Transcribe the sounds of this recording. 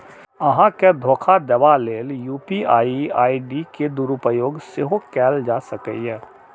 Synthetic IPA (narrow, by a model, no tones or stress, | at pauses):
əɦãked̪ʱoːkʰad̪əbaleːljuːpiaːiaːiɖiked̪ʊɾupəjoːɡseɦokɛːld͡ʒaːsəkə̰jɛ